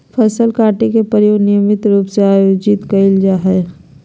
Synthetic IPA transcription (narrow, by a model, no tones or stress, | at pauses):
pʰɐsəlkaːʈikepəɾjoːɡnɪjəmɪt̪ɾuːpseaːjoːd͡ʒɪt̪kɐɪld͡ʒaɦɛː